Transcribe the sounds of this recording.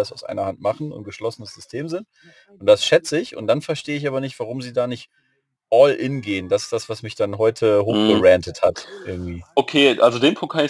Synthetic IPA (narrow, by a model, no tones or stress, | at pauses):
asaʊsʔa̰ɪnɐhantmaχn̩ʊ̰nɡ̥əʃlɔsənəsz̥ʏstʰeːmzɪnt | ʊnt̚d̥asʃɛt͡səɪçʊ̰ntd̥anfɛɐʃteːəɪç̬ʔaːbɐnɪçtv̥aʁ̞ʊmziːdaːnɪçt | ʔɔlʔɪnɡeːənd̥asɪ̥sd̥asv̥asmɪçd̥anɦɔʏtʰəɦoːxb̥əʁɛntəthatʔɪɐɡŋ̩tv̥iːʔokʰeːʔalzodeːnpʰʊŋkthaɪ